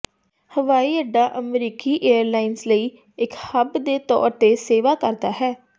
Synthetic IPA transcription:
həʋaːiːəɖːaːʔəmɾiːkiːʔeːəɾlaːɪnsləiː | ɪkhəbd̪eːt̪ɔ̰ːɾt̪eːseːʋaːkəɾd̪aːɦɛː

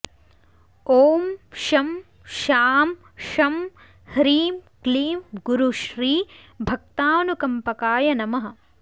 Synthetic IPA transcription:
oːmʃɐm | ʃaːm | ʃɐm | hɾiːmkliːmɡuɾuʃɾiː | bʱɐk̚t̪aːnukɐmpɐkaːjɐnɐmɐɦɐ̆

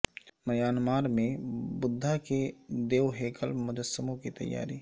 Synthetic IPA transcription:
mɐjaːnmaːɾmẽbʊd̪ʱːaked̪eːwɦeːkəlmʊd̪əsəmõkit̪ɐ̰jːa̰ːɾiː

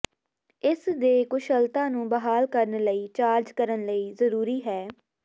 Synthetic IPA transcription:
ɪsd̪eːkʊʃəlt̪ãːnũːbəɦaːlkəɾnləiːt͡ʃaːɾd͡ʒkəɾənləiːzəɾuːɾiːɦɛː

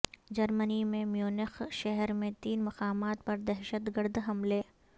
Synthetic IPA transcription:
d͡ʒɐɾmənimẽmjuːnɪxʃɛɦɾmẽt̪iːnmɐqaːmaːt̪̚pɐɾd̪ɛɦʃət̪ɡəɾd̪ɦɐmleː

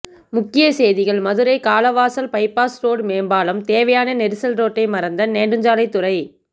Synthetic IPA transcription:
mʊkːɪjɐseːðɪɣɐɭmɐðɯɾɐɪkaːlɐʋaːsɐlpɐɪpaːsɾoːɽmeːmbaːlɐmt̪eːʋɐjaːnɐnɛɾɯsɐlɾoːʈːɐɪmɐɾɐnd̪ɐneːɳɖɯɲd͡ʒaːlɐɪt̪ːʊrɐɪ

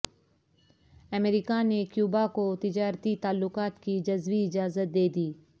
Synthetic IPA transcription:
ɐmeɾikanekjuːbakot̪ɪd͡ʒaːɾt̪it̪aːlːʊkaːt̪kid͡ʒɐzʋiɪd͡ʒaːzət̪̚d̪eːd̪iː

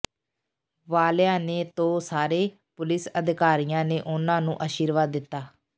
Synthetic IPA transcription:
ʋaːljãːneːt̪õːsaːɾeː | pʊlɪsəd̪ɪkaːɾijãːneːʔʊnãːnũːʔaːʃiːɾʋaːd̪ːɪt̪ːaː

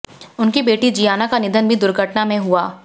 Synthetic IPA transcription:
ʊnkibeːʈid͡ʒijaːnakanɪd̪ʱənbʱid̪ʊɾɡʱəʈnamẽɦuaː

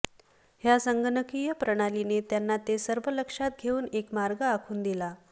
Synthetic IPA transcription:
hjasəŋɡənəkijəpɾəɽ̃alinet̪janːat̪esəɾʋələkʂat̪̚ɡʱeuːnekmaɾɡəakʰuːnd̪ila

